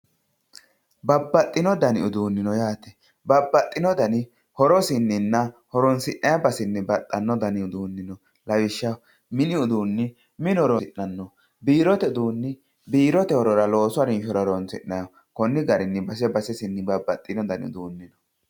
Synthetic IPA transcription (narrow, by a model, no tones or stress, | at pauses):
bɐbːɐt̪ʼːɪnɔd̪ɐnɪ̰ʊd̪uːnːɪnɔjaːt̪ɛ̥ | bɐbːɐt̪ʼːɪnɔd̪ɐnɪ | hɔɾɔsɪnːɪnːɐhɔɾɔnsɪʔʔɐjɐbɐsɪnːɪbɐt̪ʼːɐnːɔd̪ɐnɪʊd̪uːnːɪnɔ | lɐwɪʃːɐ | mɪnɪʊd̪uːnːɪ | mɪnɔɾɔɪnːɐnːɔ | biːɾɔt̪ɛʊd̪uːnːɪ | biːɾɔt̪ɛhɔɾɔɾɐlo̞ːsʊaɾɪnʃɔɾɔɾɔnsɪ̰nːɐjɐ | kɔnːɪɡɐɾɪnːɪbɐs̬ɛbɐsɛsɪnːɪbɐbːɐt̪ʼːɪnɔd̪ɐnɪʊ̰d̪uːnːɪnɔ